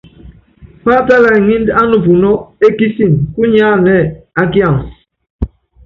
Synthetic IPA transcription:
paː˦ta˦la˨i˨ŋi˦nda˦nu˨pu˨nɔ˦e˦ki˦si˨nku˦ɲaː˦nɛ˦˨a˦ki˦ã˦˨ŋs

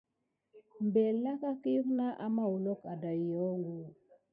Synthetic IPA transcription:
mbe˨lna˦ka˦ki˦ju˦kna˦ʔa˨ma˦wu˨lo˦ka˨da˨jɔ˨˦ŋɡo˨

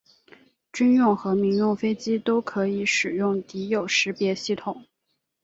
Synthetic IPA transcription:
t͡ɕy˥njʊ˥˩ŋxɤ˧˥mi˧˥ŋɻo˥˩ʊfe˥ɪt͡ɕi˥t̪o˥ʊkʰɤ˧˥i˧˥˦ʂɻ̩˨˩jʊ˥˩ŋt̪i˧˥jo˨˩ʊʂɻ̩˧˥pjɛ˧˥ɕi˥˩t̪ʰʊ˨˩˦ŋ

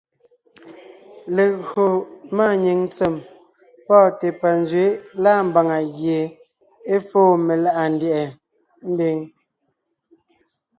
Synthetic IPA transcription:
le˨ɣo˨maː˦˨ɲe˨ŋn˦t͡se˨m | pɔː˦˨te˨pa˨nzɥe˨˦laː˦˨m̩˦ba˨ŋa˨ɣje˨ | e˦foː˦˨me˨la˦ʔa˨n˦djɛ˨ʔɛ˨ | m̩˦be˦ŋ

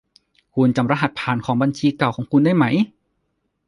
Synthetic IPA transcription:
kʰu˧nt͡ɕa˨˩mɾa˧˩ɦa˨˩t̪̚pʰaː˨˩nkʰɔː˩˦ŋba˧nt͡ɕʰiː˧ka˨˩wkʰɔː˩˦ŋkʰu˧ndaː˥˩jma˦˥j

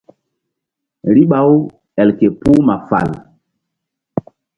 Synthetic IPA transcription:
ɾi˦ɓa˨˦w | ɛ˨lke˨pu˦ma˨fa̰˨l

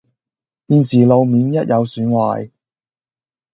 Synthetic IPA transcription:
piː˨˧nsiː˨˩lo˨wmiː˨˥njɐ˥t̚jʔɐ˨˧wsyː˨˥nwa̰ː˨˩j

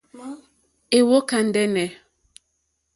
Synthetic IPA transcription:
e˨wo˦ka˨n̩˨dɛ˦nɛ˨

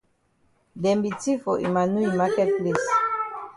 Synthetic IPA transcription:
dɛ˨mbi˨ti˦fɔ˨ʔḭ˨ma˨nu˦i˨ma˦kɛ˦t̚ple˨s

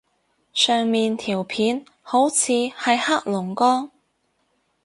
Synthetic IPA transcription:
sœː˨ŋmiː˨nt̪ʰiː˨˩wpʰiː˨˥n | ho˨˥wt͡sʰiː˨˧hɐ˨jhaː˥k̚lʊ˨˩ŋkɔː˥ŋ

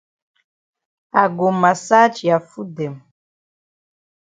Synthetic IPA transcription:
a˨ɡo˨ma˨sa˦t͡ʃja˨fu˦dɛ˨m

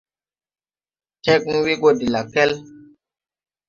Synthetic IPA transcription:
tɛ˦k̚n̩˦wi˦ɡo˦di˨la˨pɛ˦l

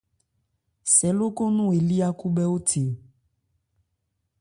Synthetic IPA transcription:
sɛ˨lo˦ko˦nũ˦e˨li˦a˦ku˦bɛ˦o˦tʰe˨

